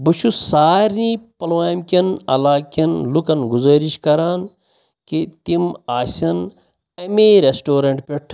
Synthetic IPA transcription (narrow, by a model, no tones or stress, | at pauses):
buʃʰusaːɾnĩːpɐlʋaːmkʲɐnɐ̰laːkɐnlukɐnɡuzɐːɾiʃkɐɾaːn | ket̪imaːsʲɐn | ɐmeːɾesʈoːɾɐɳʈpeʈʰ